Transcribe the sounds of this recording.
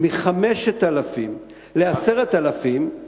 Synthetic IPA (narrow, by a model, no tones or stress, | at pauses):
miχameʃet̪alafim | leaseʁet̪alafim